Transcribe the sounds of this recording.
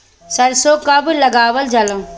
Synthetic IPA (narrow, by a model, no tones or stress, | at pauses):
sɐɾsokɐblɐɡaːʋəld͡ʒɐlə̃m